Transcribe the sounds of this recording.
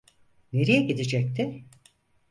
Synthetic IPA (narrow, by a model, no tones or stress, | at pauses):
ne̞ɾijɛɟid̪id͡ʒɛc̚t̪ʰɪ